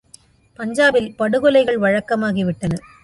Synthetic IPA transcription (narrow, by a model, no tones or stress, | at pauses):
pɐɲd͡ʒaːbɪlpɐɽɯɣɔlɐɪɣɐɭʋɐɻɐkːɐmaːɣiʋɪʈːɐnɐ